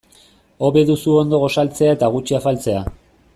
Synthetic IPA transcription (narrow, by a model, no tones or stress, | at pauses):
o̞βe̞ðusuo̞nd̪o̞ɣ̞o̞salt͡se̞ae̞t̪aɣ̞ut͡ʃiafalt͡se̞a